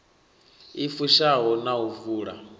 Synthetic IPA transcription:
ifuʃaɦɔnauvuːɺa̰

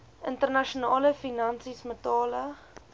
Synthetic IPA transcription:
ʔəntərnɐʃunɑːləfinɐnsismətɑːlə

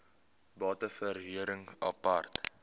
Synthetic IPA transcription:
bɑːtəfərɦiəɾəŋɐ̰pɐrt

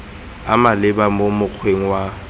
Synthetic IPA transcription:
a̰malɪbamomʊk͡xʰweŋ̩wa

